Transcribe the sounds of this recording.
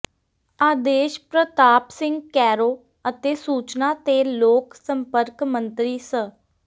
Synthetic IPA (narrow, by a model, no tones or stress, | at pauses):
aːd̪eːʃpɾət̪aːpsɪ̃ŋɡkɛːɾoː | ət̪eːsuːt͡ʃnaːt̪eːloːksəmpəɾkmə̃nt̪ɾiːsə